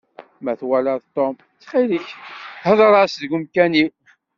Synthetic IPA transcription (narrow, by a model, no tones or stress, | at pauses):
mæθwæləðt̪ˤːom | t͡sːχiliçhəðˤɾˤɑsðɡʊmkæni